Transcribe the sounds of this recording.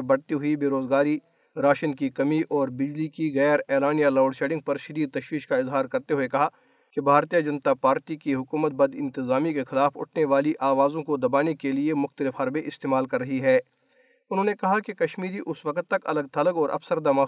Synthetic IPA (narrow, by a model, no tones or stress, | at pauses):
bɐɽt̪iɦʊibeːɾoːzɡaːɾi | ɾaːʃənkikɐmiʔɔːɾbɪd͡ʒlikiɣɛːɾɛːlaːnijalɔːɖʃeːɖɪ̃ŋɡ̚pɐɾʃɐd̪iːd̪̚t̪ɐʃwiːʃkaɪzɦaːɾkɐɾt̪eɦʊekɐɦa | kebʱaːɾt̪ijad͡ʒɐnt̪apaːɾʈikiɦʊkuːmət̪̚bɐd̪ɪ̰̃nt̪ɪzaːmikexɪlaːfʊ̰ʈʰneʋaːliʔaːʋaːzõkod̪ɐbaːnikeliemʊxt̪əlɪfɦɐɾbeʔɪst̪eːmaːlkɐɾːɐɦiɦɛː | ʊnɦõːnekɐɦakekɐʃmiːɾiʔʊsʋɐkət̪ːɐkɐ̰ləɡ̚t̪ɐləɡɔːɾʔɐ̰fsəɾd̪amaː